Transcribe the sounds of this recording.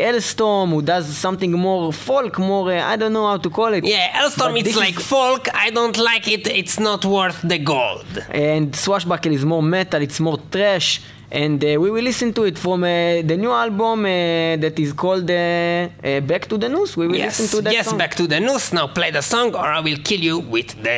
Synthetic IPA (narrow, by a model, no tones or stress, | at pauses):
ʔɛlstɔmhud̪azsãmt̪ĩŋɡmoɾfɔlkmɔɾa̰jdõntːohawtukʰɔlitjæʔɛlstɔɹmitd̪slajkfɔlkajdõntlaɪkɪtɪtsnɔtwɜ˞θd̪əɡold̃ndswaʃbakɛlizmɔʁmɛtalitsmɔʁt̪ʁɛʃ | ʔɛ̃ndwiwilisə̃ntuitfɾɔ̃med̪ənjualbũmd̪ɛt̪izkʰɔld̪e | bɛktud̪ənuswiwilisə̃nt̪ud̪ɛjɛsɔ̃bɛkt̪ud̪ənusnawpleɪd̪əsɔ̃ŋɡɔɹaɪwilkʰiljuwiðd̪ə